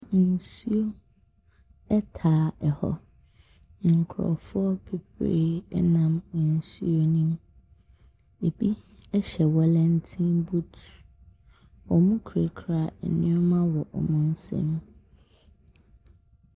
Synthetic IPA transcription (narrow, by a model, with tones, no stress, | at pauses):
n˨su˦o˦ | ɛ˦tʰaː˨ɛ˨hɔ̰˨ | ŋ̩˨kʰɾɔ̰˨fʊ˦ɔ˦pʰe˨pʰɾḛ˦ɛ˦nã˦m˨n˨sṵ˦o˦nĩ˦m | e˨bi˦ɛ˦ɕɛ˨wɛ˦lɛ̃˦n̩˦tʰĩ˦nbu˦t | ɔ˨mʊ̃˦kʰɾe˨kʰɾa˦˨ɛ̰˨nɪ̰̃˦ɔ˦mã˦wɔ˨ʔɔ̰˨mʊ̃˦n̩˦sɛ̰̃˦ñ˦